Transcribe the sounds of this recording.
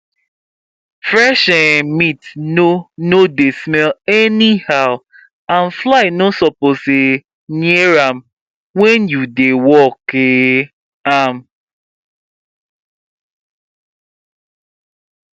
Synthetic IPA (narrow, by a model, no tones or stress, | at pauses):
fɾɛʃɛmitnonodesmɛlɛnihaʊ | ãnflaɪnosɔpose | nieɾam | wɛnjudewɔke | am